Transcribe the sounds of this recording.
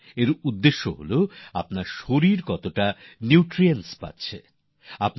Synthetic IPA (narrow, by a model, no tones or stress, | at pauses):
eɾud̪ːeʃːoɦo̰loa̰pnaɾʃoɾiɾkɔt̪oʈaniʈɾienspa̰tːɕʰḛ | ap